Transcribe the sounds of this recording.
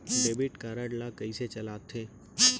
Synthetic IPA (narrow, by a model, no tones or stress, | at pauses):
ɖeːbɪʈkaːɾəɽlakəiset͡ʃɐlaːt̪ʰeː